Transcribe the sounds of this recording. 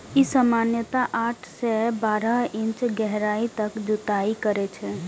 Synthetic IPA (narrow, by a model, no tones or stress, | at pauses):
isəmanjət̪aʔaʈʰsɛbaɾəɦɪ̃nt͡ʃɡɛɦɾait̪əkd͡ʒut̪aikəɾɛt͡ʃʰɛ